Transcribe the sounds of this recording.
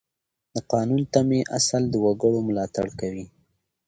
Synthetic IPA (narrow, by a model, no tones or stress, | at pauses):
d̪əqɑnunt̪ameʔasald̪əwaɡəɽomʊlɑt̪a̰ɽkawi